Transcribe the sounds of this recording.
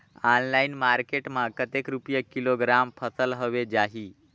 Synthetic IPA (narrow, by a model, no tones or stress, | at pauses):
anlainmaɾkeʈmakət̪ekɾupjəkiloɡɾampʰəsəlɦəʋed͡ʑaɦiː